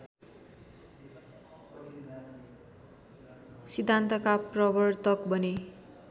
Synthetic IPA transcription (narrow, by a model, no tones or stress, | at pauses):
sid̪ʱːant̪ʌkaprʌbʌrt̪ʌkbʌne